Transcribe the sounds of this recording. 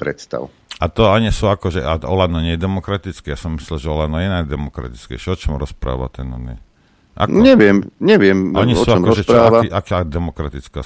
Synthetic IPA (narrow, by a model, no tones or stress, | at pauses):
pɾɛt̪st̪a̰ʊ | at̪ɔaɲisuakɔʒɛʔaɔlad̪ɔɲɛjɛd̪ɛmɔkɾat̪it͡skɛjasɔmmislilʒɛɔlad̪nɔjɛnajd̪ɛmɔkɾa̰t̪i̥t͡skɛ̰ɪʃɛɔt͡ʃɔmɾɔspɾa̰ːʋa̰t̪ɛnɔ̰ɛ̰ | ʔa̰ɔɲɛʋɪɛmɲɛʋɪɛmaɲisɔuaɔmɔɔʒɛt͡ʃpɾaːaʋaiʔakad̪ɛmɔkɾat̪it͡ska